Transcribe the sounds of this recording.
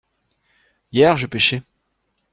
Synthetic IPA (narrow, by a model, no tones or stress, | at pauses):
jɛʁʒəpeʃɛ